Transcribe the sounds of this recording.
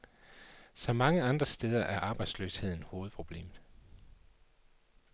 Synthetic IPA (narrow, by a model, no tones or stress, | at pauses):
sɒ̽mɑ̈ŋəɑ̈nd̥ʁɐsd̥eːð̞ˠɐʔæɐʔɑ̈ːb̥ɑ̈ɪd̥sløshe̝ð̞̰ˠn̩ho̝ːð̩ˠpʰʁo̝b̥le̝̰ːmð̩ˠ